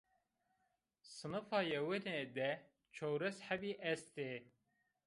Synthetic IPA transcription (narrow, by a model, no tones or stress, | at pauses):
sɨnɨfɑjɛweɾed̪ɛ | t͡ʃʰowɾɛsħæbiʔɛst̪e